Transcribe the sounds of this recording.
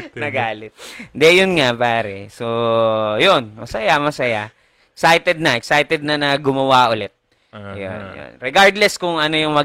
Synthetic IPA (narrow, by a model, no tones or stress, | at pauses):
nɐɡaːlɪt̪̚nd̪ɛjʊnŋapaːɾɛsojonmɐsɐjamɐsɐja | sajt̪ɛd̪̚nɐʔɛk̚sajt̪ɛd̪̚nɐnɐɡʊmɐwaʔʊlɛt̪̚ | jo̰njo̰nɾɛɡaɹd̪lɛskʊŋʔɐno̞jʊŋmɐ